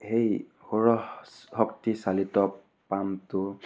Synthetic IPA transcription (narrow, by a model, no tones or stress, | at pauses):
hejhoɹɔhɔktisalitɔ | pamtʊ